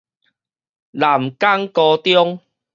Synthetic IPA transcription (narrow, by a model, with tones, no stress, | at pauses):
la˨˩mka˦ŋkɔ˧t̪jɔ˦ŋ